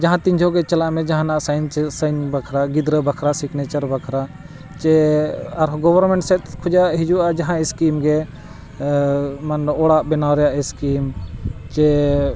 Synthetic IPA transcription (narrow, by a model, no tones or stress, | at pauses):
d͡ʒaɦãt̪ĩɲd͡ʒʱɔɡɛt͡ʃəlaʔmɛ̃d͡ʒaɦãnaʔsajnt͡ʃsəjnbakʰɾaɡid̪ɾəbakʰɾasikʰnɛt͡ʃəɾbakʰɾa | t͡ʃɛaɾɡɔbəɾmɛ̃ɳʈsɛt̪kʰɔd͡ʒaɦid͡ʒuad͡ʒaɦãɛskimɡɛ | manɔɽaʔbɛnawɾɛjaʔɛskimt͡ʃɛ